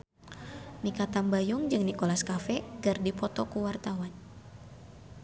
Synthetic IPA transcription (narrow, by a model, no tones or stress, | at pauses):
nikat̪ambajʊŋd͡ʒɨŋnikolaskafɛɡɨrdipɔt̪ɔkuwart̪awan